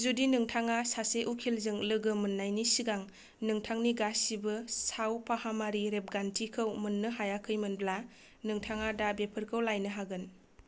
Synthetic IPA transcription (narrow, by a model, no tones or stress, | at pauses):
zudinɯŋtʰaŋasaseʔukʰilzɯŋlɯɡɯmɯnːajnisiɡaŋ | nɯŋtʰaŋniɡasibɯsawpahamaɾiɾep̚ɡantʰikʰɯwmɯnːɯɦajakʰːɯjmɯnbla | nɯŋtʰaŋadabepʰɯɾkʰɯwlajnɯɦaɡɯn